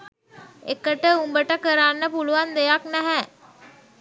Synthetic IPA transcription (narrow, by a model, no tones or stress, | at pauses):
ekəʈəumbəʈəkəɾaːnːəpuluʋand̪ejaknæɦæ